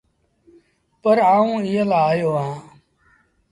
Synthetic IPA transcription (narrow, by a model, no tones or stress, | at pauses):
pəɾaːũːɪjəlaaːjoːɦãː